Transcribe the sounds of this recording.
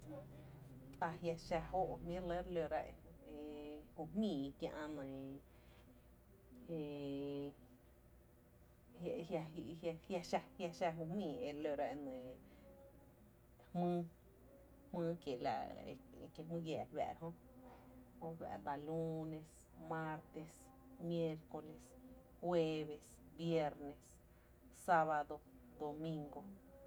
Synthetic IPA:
t̪a˧hja˧ʃa˧ho˦ʔmĩ˦ɾlə˦ɾlo˧ɾa̰˧ʔe˧e˨hu˧˨hmĩː˨˧kjã˧ʔã˧nã˨ | e˧˨ | hja˧ja˧hja˧ʃa˧hja˧ʃa˧ɦu˧˨hmĩː˨e˨˧lo˧ɾa˦ʔnɨ̃˨ | hmɨ̃ː˦ | hmɨ̃ː˦kje˨la̰˧ | kje˧˨mɨ̃˦ɡjɛ˧˨lβæ̰˨ɾɦõ˦ | hõ˦βæ̰˧˨ɾd̪a˧lu˦nẽ˧s | mã˦ɾt̪e˧s | mje˦˧ɾko˧le˧s | hwe˦˧βe˨s | bje˦˧ɾne˨s | sa˦βa˧d̪o˧ | d̪o˨mĩ˧ŋɡo˦

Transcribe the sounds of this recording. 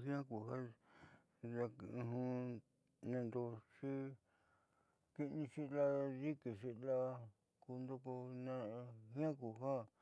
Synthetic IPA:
ɦĩ˦ã˦ku˨ha˦ | ða˧kɦũ˧ | nẽ˧˨nd̪o˧ʂi˦ | ki˧nĩ˧ʃi˦la˦ði˦ki˨ʃi˧la˦ | ku˧nd̪o˧ko˧nẽ˧hĩ˦ã˦ku˨ɦa˦

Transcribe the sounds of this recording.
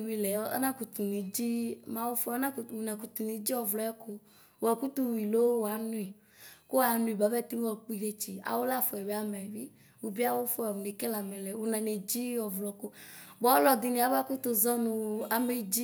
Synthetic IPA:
wi˨lɛ˨˦a̰˦nã˦ku˨t̪u˨ni˨d͡ʒi˦mã˦wo˦fʊ˦a˦nã˦˨wo˨nã˨ku˨t̪u˨ni˨˦d͡ʒi˦ɔ˨vlɔ˨˦ɛ˦ko˦ | wɔ˨ku˦t̪u˦wi˨lo˦wwa˨˦nũ˦i˨ | ko˦wa˨nũ˦i˨ba˨bɛ˦˨t̪i˦ɔ˨k͡pi˦˨ɖe˦t͡ʃi˨a̰˨wo˦la˦fo˨ɛ˨we˨˦a˨mɛ˨vi˦ | wo˨bi˦a˦wo˦fʊ˦a˨ne˨kɛ˦la˨mɛ˨lɛ˨wo˨nã˨ne˨d͡ʒi˦ɔ˨vlɔ˨ko˦ | bɔ˨˦lɔ˨d̪ɪ˨ne˨a˨ba˦ku˦t̪o˦zɔ˦nũ˨a˨me˨d͡ʒi˦

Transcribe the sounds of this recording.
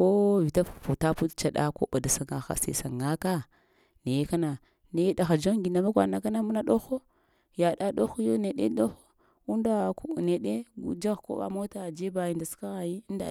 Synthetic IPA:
ko˦vi˨ta˦˨fu˨ta˦pu˦tt͡ʃa˨ɗa̰˦ko̰˦ba˨da˨sa˨ŋa˨xa̰˨sḛ˨sa˨ŋa˦ka˦ | ne˨je˦ka˦na˨ | ne˨jda˨xa˨d͡ʒo˦ŋ˦ɡi˨na˨ma˦kʷa̰˨na˨ka˦na˦mu˦na˦ɗo˦xo˦ | ja˨ɗa˦ɗo˦xo˦jo˦ne˨ɗḛ˦ɗo˦xo˦ | u˦nda˨kne˨ɗe˦ɡu˦d͡ʒa˦ɣko̰˦ba̰˦mo˦ta˨d͡ʒe˦ba˨ji˨nda˨ska˦ɣa˨ji˦n˦da̰˨

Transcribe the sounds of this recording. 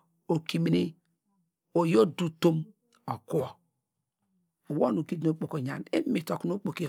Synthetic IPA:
o˨ki˨mi˨ni˦ | o˨jo˦du˦to˦m | o˨ku˦o˨ | o˨wo˦nu˨ɡi˦do˦k͡po˨ko˨ɲa̰˨ne˦mi˨to˨ku˨˦no˦k͡po˨ki˦˨

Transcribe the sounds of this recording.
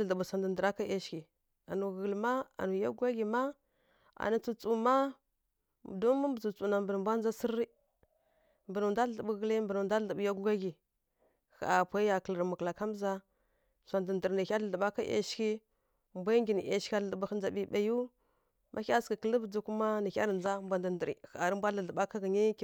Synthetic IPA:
ə˨ɮə˨bu˨sʷa˨ndə˨n˨də˨ɾa˦ka˦e˦ʃki˨ | a˨nu˨ɣə˨lma˦a̰˨nu˨ja˦ɡu˦ɡa˦ɡi˨ma˦ | a̰˨nu˨t͡su˨t͡su˨ma˦˨ | do˦mə˦mbə˨t͡su˨t͡su˨na˨mbə˨n˨mbʷa˦nd͡za˦si˦ɾi˦ | mbə˨nu˨nda˦˨ɬə˨bu˨ɣə˦li˦mbə˨nu˨nda˦ə˨bja˦ɡɡa˦ɡi˨ | xa˨a˨pʷa˦ja˨kə˨lə˨ɾmu˨kla˨ka˦m˦za˦ | sʷa˨ndə˨ndə˨ɾni˨a˦ɮə˨ɮə˨ɓa˦ka˦ʔḛ˦ʃki˦ | mbʷa˦ŋɡʲi˨ni˨ʔe˨ʃʲa˦˨ə˨bə˨xə˦nd͡za˨bi˦ba˨ju˦ | mʔa˦a˦skə˨kə˦lə˦bə˨d͡zu˨ku˦ma˦nə˨a̰˦ɾə˨nd͡za˦mbʷa˨ndə˨ndə˨ɾḭ˨xa˨ɾə˦m˦bʷa˦lə˨ɮə˨ɓa˦ka˦ɡə˨ɲi˦k

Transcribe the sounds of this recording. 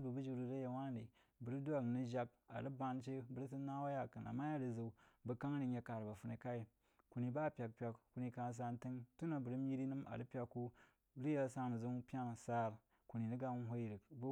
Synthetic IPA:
bu˨bu˦d͡ʒi˦˨ɾu˨ɾa˦ja˨wa˦n˦ɾi˨ | bə˨ɾi˦du˦a˦˨kni˦ʒa˦k | a̰˨ɾi˦ba˦nt͡ʃe˦bə˨ɾi˦s̬i˦na˦wa˦ja˨kɨ˨na̰˨mːa˦ja˦ɾi˨zə˨˦bə˨ka˦ŋ˦ɾi˦a˨ka˨ɾba˨fu˨˦ne˨ka˦i˨ | ku˨ni˨ba˦˨pʲa˨k̚pʲa˨kku˨ni˦ka˨˦s̬a˦n˦tɨ˦ŋtu˦na˨bə˨ɾi˦m˦i˦ɾi˦nɨ˦ma̰˨li˦pʲa˨kːu˦ | bɾi˦ja˦sa˦nə˨zu˦ŋ˦pʲa˦n˨sa˦˨ɾ | ku˨ni˨ni˦ɡa˦ɦʷo˦i˨ɾi˨kb

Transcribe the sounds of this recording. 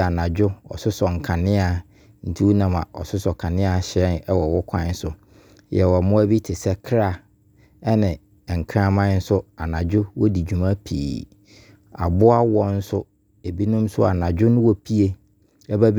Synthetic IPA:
a˨nã˨d͡ʑᶣʊ˦ɔ̰˨sʊ˦sɔ˨ŋ̩˨kʰã˨nɪ̃˦a˨ | n̩˨tʰi˦wu˦nã˨mã̰˨ʔɔ̰˨sʊ˦sɔ˨kʰã˨nɪ̃˦a˨ɕɛ˦nɛ˦wɔ˨wɔ˦kʷʰã˦n̩˦sʊ˨ | jɛ˨wɔ˨mʊ̃˦æ˦bi˦tʰɪ˨sɛ˦kʰɾa˦˨ | ɛ˦nɪ̃˨ | ŋ̩˨kʰã˦mã˦n̩˦sʊ˦a˨nã˨d͡ʑᶣʊ˦wɔ˦di˨d͡ʑᶣu˨mã˦pʰḭː˨ | a̰˨bʊ˦a˦wɔ˦n̩˦sʊ˦ | e˨bi˦nʊ̃˦m˦sʊ˦a̰˨nã˨d͡ʑᶣʊ˦nʊ̃˦wɔ˨pʰi˦e˦ | ɛ˦bæ˦b

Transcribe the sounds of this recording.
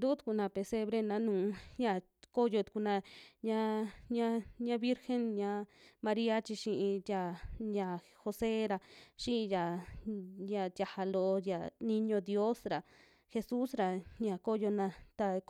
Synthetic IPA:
nd̪u˦t̪u̥˨ku˧˨nã˧pe˧se˧βɾe˦nã˧˦nũː˨˦ɲã˧˨ | ko˦jo˧t̪u̥˧ku˧nã˧ɲã˦ɲã˦ɲã˦βi˦ɾxe˦nɲã˧˦mã˧ɾi˦a˦t͡ʃi˧ʃĩ˧ʔĩ˧t̪ja˧ɲã˧ | xo˧se˦ɾa˧ʃĩ˦˧ja˨ | ja˧˨t̪ja˧ha˧lo˧ʔja˨nĩ˧ɲõ˧d̪jo˦sɾa˨ | xe˧su˦sɾa˨ɲã˧˨ko˦jo˧nã˧t̪a˧

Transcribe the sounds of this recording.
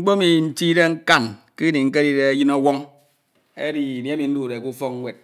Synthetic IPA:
ŋ͡m̩˦k͡po˦mi˨n̩˦ti˦ɾe˦ŋ̩˦ka˦nki˦ni˨ŋ̩˦ke˦ɾi˦ɾe˦a˦ji˦nɔ˦wɔ˦ŋ | e˦di˨ni˨e˦mi˨n̩˦du˨ɾe˨ku˦fɔ˦k̚ŋ̩˦wʷe˨t̚

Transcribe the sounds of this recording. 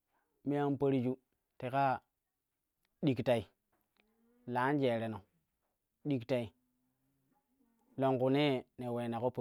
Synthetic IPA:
mi˦a˦n˦pa˦ɾi˦d͡ʒu˦ | te˨ka˦ | ɗi˨kta˨i˨ | la˨˦n˦d͡ʒe˨ɾe˨no˨ | ɗi˦kta˨i˨ | lo˨ŋku˨ne˦ne˨we˨na˨ko˦po˨

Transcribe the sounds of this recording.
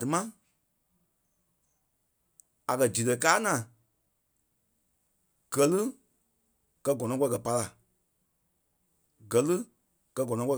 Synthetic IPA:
dɨ˨mã˦ | a̰˨kɜ˨d͡ʒi˨tə˨kaː˦ŋã˨ | ɡ̥ɜ˨˦lɨ˦ | kɜ˧ɡɔ˨nɔ̃˧kɔ˧˦˧kɜ˨pa˧la˨ | ɡɜ˨lɨ˦ | kɜ˧ɡɔ˨nɔ̃˧˦kɔ˧˦˧

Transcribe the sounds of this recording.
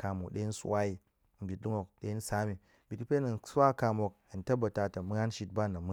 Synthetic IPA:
ka˨mo˨kɗe˦i˦n̩˦su˦wa˦i˨ | m̩˨bʲi˨t̚lu˦ŋo˨k̚ɗe˦i˦n̩˦sa˦mi˨ | bʲi˨ti˦pe˦nɐ˨n˨sa˦ka˨mo˨k̚n̩˨tɐ˦ba˨ta˨ta˨mu˦a˦nʃi˨t̚ba˦na˨m˦

